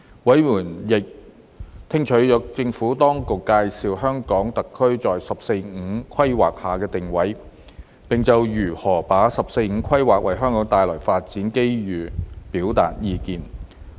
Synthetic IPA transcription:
wɐ˨˥jmuː˨˩njɪ˨k̚ | t̪ʰɪ˥ŋt͡ʃʰɵ˨˥ɥjœː˨˧˥k̚t͡sɪ˧ŋfuː˨˥t̪ɔː˥ŋkʊ˨kːaː˧jsiː˨˧wɦœː˥ŋkɔː˨˥ŋt̪ɐ˨kʰːɵ˥ɥt͡sɔː˨jsɐ˨p̚se˧jŋ̩˨˧˥kʰɐ˥jwa̰ː˨k̚haː˨˩kɛː˧t̪ɪ˨ŋwɐ˨˥j | pɪ˨ŋt͡sɐ˨wjyː˨˩hɔː˨˩paː˨˥sɐ˨p̚se˧jŋ̩˨˧˥kʰɐ˥jwaː˨k̚wɐ˨˩jɦœː˥ŋkɔː˨˥ŋt̪aː˨jlɔː˨˩jfaː˧t̚t͡siː˨˥nke˥jjyː˨˩piː˨˥wt̪a̰ː˨t̚jiː˧kiː˧n

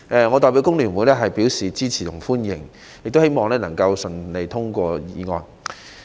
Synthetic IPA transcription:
ʔɛː˨˧ŋɔː˨˧t̪ɔː˨jpi˨˥wkʊ˥ŋlyː˨˩nwuː˨˧jlɛː˥ɦɐ˨jpiː˨˥wsiː˨t͡siː˥t͡sʰiː˨˩t̪ʰʊ̰˨˩ŋfuː˥njɪ˨˩ŋ | jɪ˨k̚t̪o˥whe˥jmɔː˨ŋlɛː˥nɐ˨˩ŋkɐ˧wsɵ˨nle˨˧jt̪ʰʊ˥ŋkʷɔː˧jiː˨˧ŋɔː˨˧n

